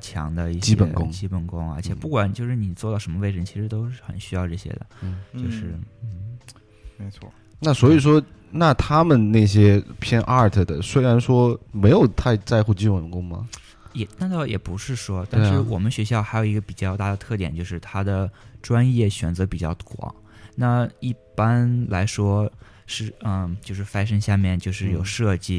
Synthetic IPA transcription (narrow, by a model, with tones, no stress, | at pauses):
t͡ɕʰjɑ̰˧˥ŋd̪ə˧i˥˩t͡ɕi˥pə˨˧˩nkʊ˥ŋt͡ɕi˥pə˨˩nkʊ˥ŋə̰˞˧˥t͡ɕʰjɛ˨˩pu˥˩kwa˨˩nt͡ɕjo˥˧ʊʂɻ̩˥˩ni˨˩t͡swɔ˥˧ɑ˥˩ʂə˧˥nmə˧we˥˩ɪʈ͡ʂɻə˧˥nt͡ɕʰi˧˥ʂɻ̩˧˥t̪o˥ʊʂɻ̩˥˩xə̰˨˩nɕy˥jɑ˥˧ʊʈ͡ʂɤ˥˩ɕjɛ̰˥d̪ə̰˨˥˩t͡ɕjo˥˧ʊʂɻ̩˥˩n̩˥˩ | e˧˥ɪwɔ̰˥˩ | na˥˩swɔ˧˥i˨˩ʂ̬wɔ˥na˥˩t̪ʰa˥mə˨nna˥˩ɪɕjɛ˥pʰjɛ˥nʔa˥˩t̪ʰə˥˩d̪ə˨˩swe˥ɪɻa˧˥nʂwɔ˥me˧˥ɪjo˨˩ʊt̪ʰa˥˧ɪt͡sa˥˧ɪxu˥˩t͡ɕi˥pə˨˩nkʊ˥ŋmɐ̰˨ | jɛ˨˩t̪a˥˧t̪ɑ˥˩ʊjɛ̰˨˩pu˧˥ʂɻ̩˥˩ʂwɔ˥t̪a˥˧nʂɻ̩˥˩wɔ˨˩mə˦nɕɥɛ˧˥ɕ̬jɑ˥˩ʊxa˧˥ɪjo˨˩ʊi˧˥ɡə˧pi˨˩t͡ɕjɑ˥˧ʊt̪a˥˩d̪ə˩t̪ʰɤ˥˩t̪jɛ̰˨˩nt͡ɕjo˥˧ʊʂɻ̩˥˩t̪ʰa˥d̪ə˨ʈ͡ʂwa˥njɛ˥˩ɕɥɛ̰˨˩nd͡zɤ˧˥pi˨˩t͡ɕjɑ˥˩ʊkwɑ̰˨˩˦ŋ | na˥˩i˥˩pa˥nla˧˥ɪʂwɔ˥ | ʂɻ̩˥˩ə˥˧t͡ɕjo˥˧ʊʂɻ̩˥˩fa˥ɪʂ̬ə˥ŋɕja˥˧mjɛ˥˩nt͡ɕjo˥˧ʊʂɻ̩˥˩jo˨˩ʊʂɤ˥˧t͡ɕi˥˩